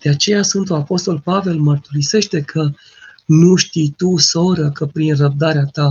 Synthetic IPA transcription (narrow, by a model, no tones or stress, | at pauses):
d̪̥e̞at͡ʃe̞jasɨnt̪uapo̞st̪o̞lpave̞lmərt̪uɾise̞ʃt̪e̞kʰə | nuʃt̪ijt̪uso̞ɾəkəpɾinrəb̚d̪aɾeat̪a